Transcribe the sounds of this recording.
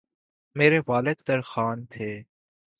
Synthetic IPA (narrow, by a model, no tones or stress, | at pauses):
meːɾeʋaːlɪd̪pɐɾxaːnt̪ʰeː